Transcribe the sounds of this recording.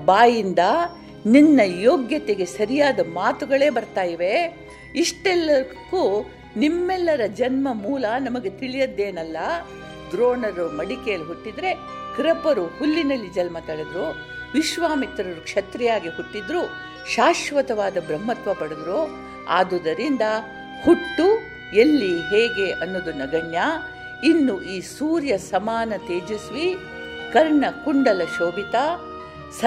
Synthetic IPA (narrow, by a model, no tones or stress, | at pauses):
baːjind̪ɐ | ninːɐjoːɡjɐt̪eɡe̞sɐɾijaːd̪ɐmaːt̪uɡɐɭe̞ːbɐɾt̪aːjiʋe̞ | iʂʈɛlːɐɾkuː | nimːɛlːɐɾɐd͡ʒɐnmɐmuːlɐnɐmɐɡe̞t̪iɭijɐd̪ːe̞ːnɐlːɐ | d̪ɾoːnɐɾumɐɽikɛjɐlːɦuʈːid̪ɾe̞ | kɾɐpɐɾuhulːinɐlːid͡ʒɐlmɐt̪ɐɭed̪ɾuː | ʋiʃʋaːmit̪ɾɐɾukʂɐt̪ɾɛjaːɡiɦuʈːid̪ɾuː | ʃaːʃʋɐt̪ɐʋaːd̪ɐbɾɐmːɐt̪ʋɐpɐɽɐd̪ɾoː | a̰ːd̪ud̪ɐɾind̪ɐ | huʈːu | elːiɦeːɡe̞ʔɐnːod̪unɐɡɐɳjaː | inːuʔiːsuːɾjɐsɐmaːnɐt̪eːd͡ʒisʋi | kɐɾɳɐkuɳɖɐlɐʃoːbit̪aː | sɐ